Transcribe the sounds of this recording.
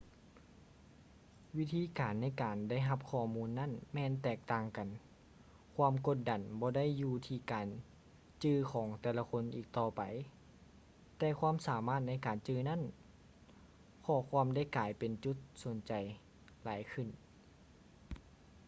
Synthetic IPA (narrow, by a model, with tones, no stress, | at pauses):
wi˦˥t̪ʰiː˧˥kaː˨nːa˧˥jkaː˨˩nda˥˨jɦa˧p̚kʰɔː˧˩muː˧˥nːa˥˨nmɛː˧˨nt̪ɛː˧˩k̚t̪aː˧ŋka˨˩n | kʰwaː˧˥˨mko˧˥t̪̚da˨˩nbɔː˧˦da˥˨jːuː˧t̪ʰiː˧kaː˨n | t͡ɕɯː˧kʰɔː˩˦ŋt̪ɛː˧˩la˧kʰo˧˥˨nʔiː˨˩k̚t̪ɔː˧˩pa˨˩j | t̪ɛː˧kʰwaː˧˥˨msaː˨˦maː˥˩t̪̚na˧˥˩jkaː˨˩nt͡ɕɯː˧na˥˨n | kʰɔː˧˩˦kʰwaː˧˨mda˥˩˨jkaː˨˩jpe˨nt͡ɕu˧˥t̪̚so˨˩˦nt͡ɕa˨˩j | laː˨˦jkʰɯ˧˩˨n